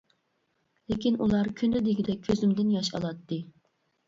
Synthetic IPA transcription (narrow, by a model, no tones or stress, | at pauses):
lekʲinʔulˠɑɾkʲʰynd̪ɪd̪eɡʲid̪ɛøzymd̪ɪnjɑʃɑ̰lˠɑt̪ːɨ